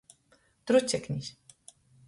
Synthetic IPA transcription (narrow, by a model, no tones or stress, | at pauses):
t̪ɾut͡sʲːɛknʲisʲ